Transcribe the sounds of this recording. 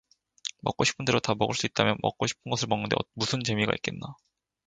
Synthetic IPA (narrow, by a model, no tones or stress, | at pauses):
mʌ̰k͈oɕʰi̥pʰɯnde̞ɾotamʌɡɯɭs͈uit̚t͈amjʌnmʌ̰k̚k͈oɕʰi̥pʰɯnɡʌsʰɯɭmʌŋnɯnde̞̰ʌmusʰɯnt͡ɕe̞miɡa̰ḭt̚k͈e̞nːa